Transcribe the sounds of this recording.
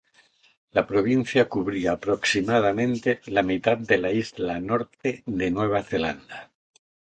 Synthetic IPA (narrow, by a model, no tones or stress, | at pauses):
lapɾo̞β̞in̟θjakuβɾiaːpɾoksimað̞amẽnt̪elamit̪at̪̚d̪e̞laizlanoɾt̪eðenweβ̞aθela̰nd̪a